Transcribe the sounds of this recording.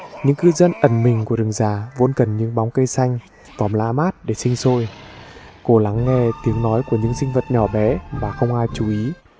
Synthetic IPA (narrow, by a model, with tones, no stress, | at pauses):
ɲɨ̰˧˥ŋkɨ˧zə˧nʔə˨˧˩nmï˨˩ŋ̟ku˧˩əɗɨ˨˩ŋzaː˨˩vo̰˧ənkə˨˩nɲɨ̰˧˥ŋɓa˨˦wŋ͡mkə˧jsa˧jŋ̟ | vɔ˨˩mla̰ː˧˥maː˦˥t̚ɗe˧˩sï˧ŋ̟so˧j | ko˧˩la˨˦ŋːɛ˧t̪i˨˦əŋnɔ˨˦jku˧˩əɲɨ̰˧˥ŋsï˧ŋ̟və˨˩t̚ɲɔ˧˩ɓɛ˨˦maː˨˩xə˧wŋ͡mʔaː˧jt͡ɕu˨˦ʔi˨˦